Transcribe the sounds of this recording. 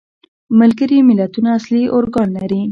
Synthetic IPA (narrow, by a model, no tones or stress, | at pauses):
məlɡəɾimɪlat̪unaːsliʔoɾɡɑnlaɾi